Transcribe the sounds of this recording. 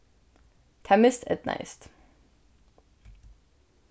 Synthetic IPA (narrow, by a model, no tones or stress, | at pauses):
t̪ʰɛmɪst̪ɛ̰t̪na̰ɪst̪